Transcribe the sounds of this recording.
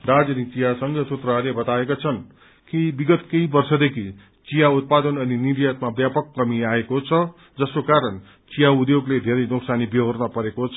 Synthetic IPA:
d̪ad͡zʌnit͡sijasʌŋɡʌsut̪rʌɦlebʌt̪aekot͡sʰʌn | kibiɡʌt̪keibʌrsʌd̪ekʰi | t͡sijaut̪̚pad̪ʌnʌniniɾjat̪̚mabjapʌkːʌmiaekot͡sʰʌ | d͡zʌskokaɾʌn | t͡sijaud̪joɡled̪ʱeɾʌjnuksanibiɦʌrnʌpʌɾekot͡sʰʌ

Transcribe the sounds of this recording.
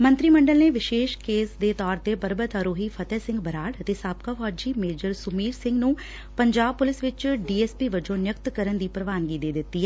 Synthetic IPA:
mə̃nt̪ɾiːməɳɖəlneːʋɪʃeːʃkeːsd̪eːt̪ɔːɾt̪eːpəɾbət̪ɦəɾoːɦiːpʰət̪ɛːsɪ̃ŋɡbəɾaːɽət̪eːsaːb̚kaːfʰɔːd͡ʒiːmeːd͡ʒəɾsʊmiːɾsɪ̃ŋɡnũː | pəɲd͡ʒaːb̚pʊlɪsʋɪt͡ʃɖiːɛːspiːʋəd͡ʒõːnjəkt̪kəɾənd̪iːpɾəʋaːnɡiːd̪eːd̪ɪt̪ːiːɛ

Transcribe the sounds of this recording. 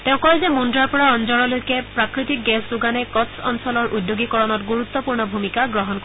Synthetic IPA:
tɛʊ̃kɔɛzɛmundɹaɹpɔɹaɔnzɔɹɔlojkɛpɹakɹitik̚ɡɛszuɡanɛkɔtsɔ̰nsɔlɔɹʔudjoɡikɔɹɔnɔtɡuɹut̪ːɔpuɹnɔbʱumikaɡɹɔɦɔnko

